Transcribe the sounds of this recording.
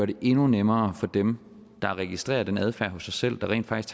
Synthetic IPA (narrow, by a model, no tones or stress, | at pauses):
ɐɾ̥e̝ʔe̝nunemɐːfɒ̽d̥em | d̥ɑ̈ʁɛɡ̥isd̥ʁḛːɐd̥enæð̞ˠfæɐɦɔ̽sːɑ̈ɪsel̰d̥ɑ̈ʁɛ̰ːn̥fɑ̈ɡ̥is